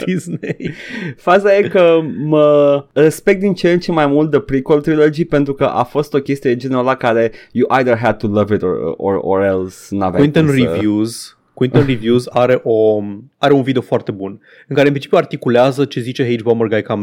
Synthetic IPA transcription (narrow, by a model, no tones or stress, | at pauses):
d̪̥iznejfazaje̞kəmərespe̞k̚t̪̚d̪int͡ʃent͡ʃemajmult̪̚d̪əpɾikolt̪ɾilo̞d͡ʒipe̞nt̪ɾukə̰ʔafo̞st̪o̞kʲe̞st̪ije̞d͡ʒeneɾalakaɾe̞juʔajðərɦɛd̪̚t̪ulɐvit̪o̰o̰o̰ɾelsɨna̰vĩnt̪ənrivjuz | kwinonrivjuzaɾe̞ʔo̞aɾe̞unvid̪eofoart̪e̞bun | ɨnŋkaɾeɨnpɾint͡ʃipʲjuart̪ikuleazət͡ʃe̞zit͡ʃe̞ɦejd͡ʒbomərɡajkam